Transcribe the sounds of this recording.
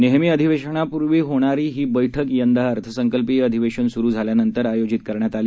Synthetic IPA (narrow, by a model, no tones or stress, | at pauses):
neɦmiːəd̪ʱiʋeɕəɳ̃apuɾʋiːɦoɽ̃aɾiːɦiːbəjʈʰəkjənd̪aaəɾt̪ʰəsəŋkəlpiːəd̪ʱiʋeɕənsuɾuːd͡zʱaljanənt̪əɾajod͡ʑit̪̚kəɾɳjat̪ali